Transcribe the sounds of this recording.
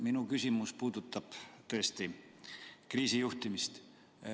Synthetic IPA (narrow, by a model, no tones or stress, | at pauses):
minukysʲimuspuːd̪̥ut̪ːˑɑb̥t̪ɤest̪i | kriːsijuht̪imist̪